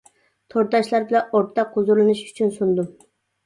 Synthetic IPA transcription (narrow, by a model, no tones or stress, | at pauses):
t̪ʰoɾt̪ɑʃlˠɑɾbɪlɑnoɾt̪t̪ʰːɑqʰːʊzuɾlˠɨnɨʃy̥t͡ʃʰynsund̪u